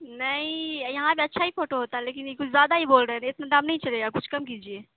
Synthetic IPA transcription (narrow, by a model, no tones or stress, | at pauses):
nɐĩjɐɦãpeɐtːʃʰaɦifoːʈoɦoːt̪aɦɛleːkɪnkʊt͡ʃʰzjaːd̪aɦiboːlɖeɛnɪt̪naɖamnɐɦĩt͡ʃɐleːɡakʊt͡ʃʰkɐmk̬iːd͡ʒieː